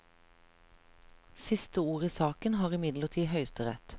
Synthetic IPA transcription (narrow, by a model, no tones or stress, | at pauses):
sɪst̪əuːʁəsɑːkənhɑːʁɪmɪd̪ləʁt̪ʰiːhœʏst̪əʁɛ̰t̪